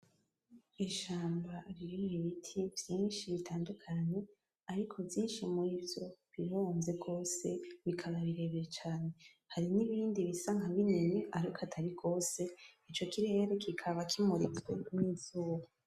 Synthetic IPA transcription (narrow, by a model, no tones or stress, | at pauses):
iʃaːmbaɾiɾimwiβitʰivjiːnʃiβitʰaːndukʰaɲe̞ | aɾikʰo̞vjiːnʃimuɾiːvjo̞βiɾonze̞ɡo̞ːse̞βikʰaβaβiɾe̞βeɾet͡ʃaːne̞ | haɾiniβiːndiβisaŋhaβineɲeaɾikatʰaɾiɡʰo̞ːse̞it͡ʃo̞kiɾe̞ːɾe̞kʰikʰaβakʰimuɾit͡swḛmŋiːz̥uːwo